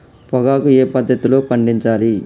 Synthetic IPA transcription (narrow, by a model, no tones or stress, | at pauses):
pɔɡaːkueːpɐd̪ʱːɐt̪ilo̞ːpɐɳɖiɲt͡ʃaːli